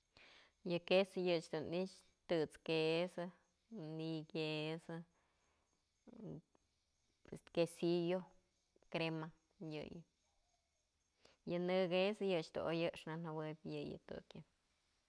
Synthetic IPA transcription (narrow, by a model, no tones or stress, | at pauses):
jɨkesɨjɨt͡ʃd̪unit͡ʃ | t̪ɨt͡skesɨ | niɡesɨ | pweskesijo | kɾema | jɨ̰j | jɨnɨɡesɨjɨt͡ʃt̪ṵojɨʂnanawɨpʲjɨjɨ̰t̪ṵkjɨ